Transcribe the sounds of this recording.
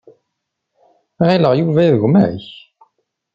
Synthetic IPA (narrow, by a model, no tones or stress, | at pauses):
ʁeləʁjuvæðəʝmæ̰ç